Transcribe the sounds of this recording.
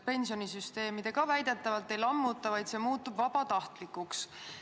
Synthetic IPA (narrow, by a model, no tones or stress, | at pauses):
pe̞nʲsio̞nisyst̪e̞ːmid̪e̞kɑvæjd̪̥e̞t̪ːˑɑvɑlt̪ːˑe̞jlɑmːut̪ːˑɑvɑjd̪se̞ːmuːt̪ːˑubvɑb̥ɑt̪ɑht̪likːˑuks